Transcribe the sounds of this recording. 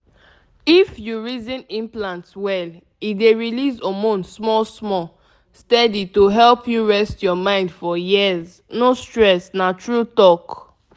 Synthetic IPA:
ifjuɹizĩnĩmplãntswɛl | ideɹilizɔmɔ̃nsmɔlsmɔ | stɛditoɦɛlpjuɹɛstjɔmãɪ̃ndfɔjiz | nostɹɛsnatɹutɔk

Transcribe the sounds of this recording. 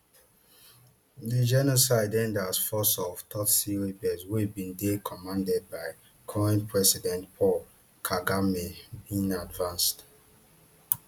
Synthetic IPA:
ðəd͡ʒɛnɔsaɪdɛ̃ndasfɔsɔvtʰɔtsiɹibɛzwibĩndekʰɔmãndɛd̚baɪ | kʰɔɛ̃npʰɹɛsidɛ̃ntpʰɔl | kʰaɡamebĩnadvãnst

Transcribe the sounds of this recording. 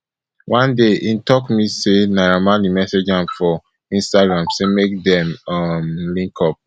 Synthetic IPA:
wʔãndeʔĩntɔkmisenaɹamãlimɛsed͡ʒãmfɔ | ĩnstaɡɹãmsemek̚dɛ̃mʌmlĩŋkʰɔp̚

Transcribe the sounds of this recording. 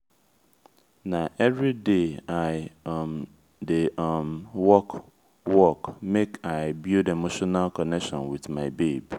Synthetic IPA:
nãʔɛvɹideaɪm | demwɔk | wɔkmekʰaɪbjudemoʃɔnalkʰɔnɛkʃɔ̃nwiθmaɪbeb

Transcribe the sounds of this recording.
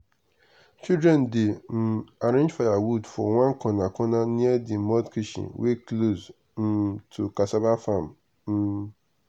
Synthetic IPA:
t͡ʃʰidɹɛ̃ndɪn̩aɾẽɲd͡ʒfajawudfɔ̰wãŋkʰɔ̃nãkʰɔ̃nãnĩɛdɪm̩mɔ̃tkʰiʃḭwekʰlos | n̩tʰukasabafãm | n̩

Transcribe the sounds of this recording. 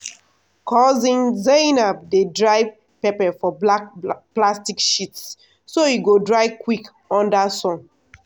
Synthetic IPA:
kʰɔzĩnzenab̚dedɹaɪ | pɛpɛfɔbplastikʃitsː | oiɡodɹaɪkwik | ɔ̃ndasɔ̃n

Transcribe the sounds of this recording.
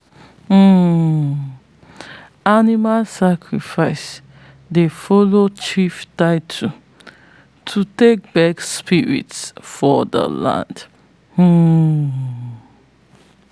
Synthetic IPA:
animalsakʰɹifaɪs | defɔlot͡ʃiftaɪtʰu | tʰutek̚bɛkspiɹḭtsfɔdə̰lã̰nd̩

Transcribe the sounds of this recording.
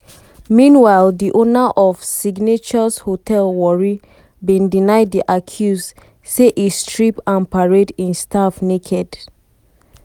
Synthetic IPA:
mĩnwaɪldiʔonaʔɔfsiɡnet͡ʃɔshotʰɛlwɔɹi | bĩndinaɪdiʔakʰjus | seʔistɹipãnpaɹedĩnstafnekʰɛd

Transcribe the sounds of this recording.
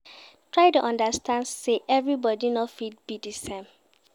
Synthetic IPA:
tʰɹaɪtuʔɔ̃ndəstʰãndseʔɛvɹibɔdinɔfid̚bidisẽm

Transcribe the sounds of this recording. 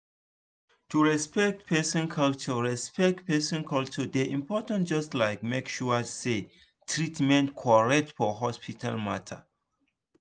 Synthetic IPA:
tuɹɛspɛk̚t̚pʰɛsɔ̃nkʰʌlt͡ʃɔɹɛspɛk̚tpɛsɔ̃nkʰʌlt͡ʃɔdeʔĩmpɔtãnt̚d͡ʒʌstlaɪkmekʃuse | tʰɹitmɛ̃ntkʰɔɹɛk̚tfɔɦɔspitʰa̰lmatʰə̰

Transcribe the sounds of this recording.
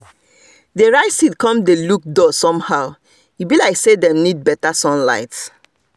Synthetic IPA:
deɹaɪsid̚kɔ̃mdeluk̚dɔsɔ̃mhaʊ | ibilaɪksedɛ̃mnid̚bɛtasɔ̃nla̰ɪts

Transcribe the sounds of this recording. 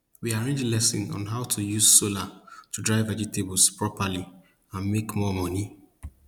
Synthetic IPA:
wiaɹẽnd͡ʒelɛsɪ̃nɔ̰̃nɦaʊtʰujuzsolatudɹaɪvɛd͡ʒitebl̩spɹɔpali | ãnmekmɔmɔni

